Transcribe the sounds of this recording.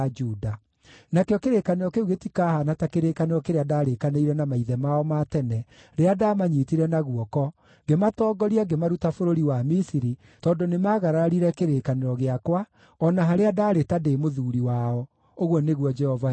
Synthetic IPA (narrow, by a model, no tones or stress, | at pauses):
d͡ʒuda | nakeɔkeɾekaneɾɔkeuɣetikahanatakeɾekaneɾɔkeɾeadaɾekaneiɾɛnamaiðɛmaɔmatɛnɛ | ɾeadamaɲiːtiɾɛnaɣwɔkɔ | ɡematɔːɡɔɾiaɡemaɾutafoɾoɾiwamisiɾi | tɔːndonemaːɣaɾaɾiɾɛkeɾekaneɾɔɣeakwa | ɔnaɦaɾeadaːɾetademoðuɾiwaɔ | oɣɔneɣwɔd͡ʒɛhɔva